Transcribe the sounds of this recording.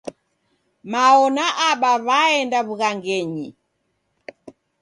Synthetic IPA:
maɔnaʔaɓaβaɛndaβuɣaŋɡɛɲi

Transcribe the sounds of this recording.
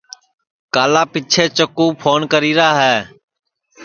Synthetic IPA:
kaːlaːpiːt͡ʃʰeːt͡ʃəkuːpʰoːnkəɾiːɾaːɦɛː

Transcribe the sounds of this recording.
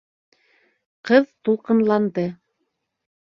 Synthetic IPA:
qɤðt̪ulˠqɤ̆nlˠɑnd̪ɤ

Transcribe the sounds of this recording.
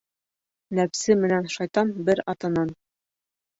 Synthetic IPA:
næpsɘmɘ̆nænʃɑjt̪ɑnbɘɾɑt̪ɤ̆nɑn

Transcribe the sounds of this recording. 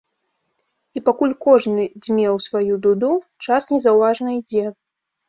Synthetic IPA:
ipakulʲkɔʐnɨd͡zʲmʲɛwsvajud̪ud̪ut͡ʂasnʲɛzɐwvaʐnɐid͡zʲɛ

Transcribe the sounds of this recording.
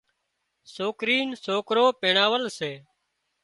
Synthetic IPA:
soːkɾiːnsoːkɾoːpẽːɳaːʋəlseː

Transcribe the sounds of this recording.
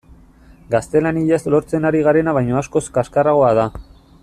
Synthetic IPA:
ɡast̪e̞laniʎazlo̞ɾt͡se̞naɾiɣ̞aɾe̞naβajɲoasko̞skaskaraɣ̞o̞að̞a

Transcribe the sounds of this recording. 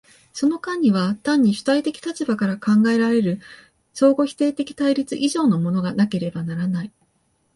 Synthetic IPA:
so̞no̞kãɲ̟ːiβ̞at̪ãɲ̟ːiɕɯ̥t̪ait̪e̞kʲi̥t̪at͡ɕibakaɾakãŋɡae̞ɾaɾe̞ɾɯ̟ | so̞ːɡo̞çʲi̥t̪e̞ːt̪e̞kʲi̥t̪aiɾʲit͡sɨʔiʑo̞ːno̞mo̞no̞ɡanake̞ɾe̞banaɾanai

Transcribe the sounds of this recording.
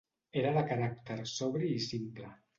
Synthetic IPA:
eɾaðəkaɾak̚t̪eɾsɔβɾiːsimplə

